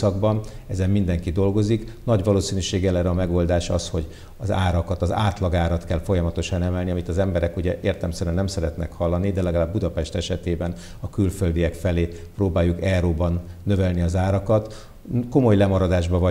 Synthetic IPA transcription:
ɒɡbɒn | ɛzɛmmind̪ɛŋkid̪o̞lɡo̞ziknɒɟʋɒloːsinyʃeːɡɛlɛɾɛɒːmɛɡo̞ld̪aːʃɒ̰sho̞ɟ | ɒza̰ːɾɒkɒt̪ɒza̰ːt̪lɒɡaːɾɒt̪kɛlfo̞jɒmɒt̪o̞ʃɒnɛmɛlniɒmit̪ɒzɛmbɛɾɛkuɟɛʔeːrt̪ɛmsɛɾyɛnɛmsɛɾɛt̪nɛ̰khɒlːɒnid̪ɛlɛɡɒlaːbːud̪ɒpɛʃt̪ɛʃɛt̪eːbɛn | ɒkylføld̪iɛkfɛleː | proːbaːjːukɛɾoːbɒnːø̞vɛlniɒzaːɾɒkɒt̪ | ko̞mo̞jlɛmɒɾɒd̪aːʒbɒvɒ

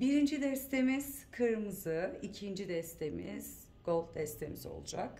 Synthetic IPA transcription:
biɾind͡ʒid̪ɛst̪ʰe̞miz̥kʰɯɾmɯzɯicʰind͡ʒid̪ɛst̪ʰe̞mḭz̥ | ɡ̥o̞lˠfd̪ɛst̪ʰe̞mizo̞̰lˠud͡ʒa̰k

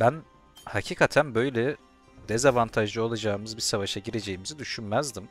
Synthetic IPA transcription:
bæn | hacʰiːkʰat̪ʰænbø̞jlʲɛ | d̪ezavant̪ʰaʒlˠɯo̞lˠad͡ʒaːɯmɯzbiɾsavaʃaɟiɾe̞d͡ʒe̞jimizid̪yʃynmæzd̪im

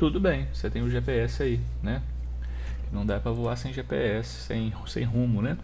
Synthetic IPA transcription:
t̪ud̪ʊbẽj̃oset̪ẽj̃ʊʒepeɛsɪainɛ | kɪnɐ̃w̃d̪apɾɐvoasẽj̃ʒepḛɛsɪ̥sḛ̃j̃sẽj̃ɦũmʊnɛ

